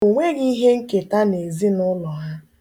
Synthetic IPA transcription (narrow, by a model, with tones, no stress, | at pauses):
u˨ŋʷe˦ɣi˦ɦe˦ŋ̩˦ke˨ta˦ne˨zi˦nʊ˦lɔ˨ɦa˦